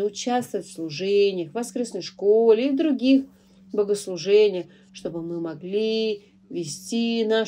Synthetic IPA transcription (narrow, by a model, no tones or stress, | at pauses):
ʊt͡ɕast̪vəətʲfslˠʊʐɛnʲɪjəxvɐskɾʲesnəjʂkolʲɪivd̪ɾʊɡʲix | bəɡəslˠʊʐɛnʲɪjəx | ʂt̪o̞bɨmɨmɐɡlʲi | vʲɪsʲtʲina